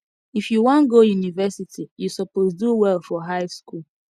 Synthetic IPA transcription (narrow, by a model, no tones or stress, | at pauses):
ifjuwɔ̃nɡojunivɛsitijusɔpozduwɛlfɔɦaɪskul